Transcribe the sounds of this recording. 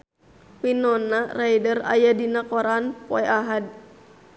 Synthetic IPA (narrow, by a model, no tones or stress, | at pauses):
pinɔnarajdəra̰jadinakɔɾanpɔɛʔaɦad̚